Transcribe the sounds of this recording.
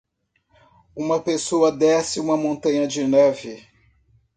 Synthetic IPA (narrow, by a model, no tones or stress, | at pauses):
ũmɐpesoɐd̪ɛsɪũmɐmõnt̪ɐ̃ɲɐd͡ʒɪnɛvɪ